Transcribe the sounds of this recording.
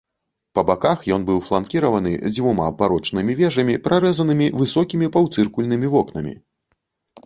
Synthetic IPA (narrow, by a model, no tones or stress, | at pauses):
pɐbakaxjɔnbɨwflˠankʲiɾɐvɐnɨ̰d͡zʲvuma̰baɾɔt͡ʂnɨmʲivʲɛʐɐmʲipɾʔaɾɛzɐnɨmʲivɨsɔkʲimʲipawt̪sɨrkulʲnɨmʲivɔknɐmʲḭ